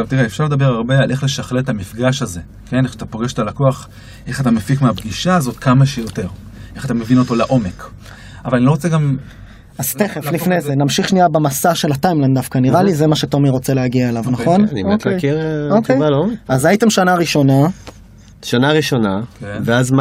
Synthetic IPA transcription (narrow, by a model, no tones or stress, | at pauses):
avt̪iʁeefʃaʁled̪abeʁaʁbealʔeχle̞ʃaχletamifɡaʃaze̞ | kʰe̞neχʃat̪apo̞ɡeʃet̪alakoaχ | ʔeχat̪amefikmeabɡiʃaːzo̞t̪kamaʃejote̞ʁ | ʔeχat̪amevino̞to̞laʔo̞mek | avalaniloʁot͡seɡam | az̥t̪eχeflifnejzenamʃiχʃniabemasaʃe̞latajmlandafkaniʁalizemaʃe̞to̞miʁo̞t͡seleaɡiaelavnaχonniotlejkeʁokejalomeazajit̪emʃanaʁiʃo̞na | ʃanaʁiʃo̞naveazm